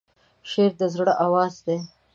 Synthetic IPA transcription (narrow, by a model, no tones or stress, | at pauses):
ʃeːɾd̪əzɽəʔawɑːzd̪e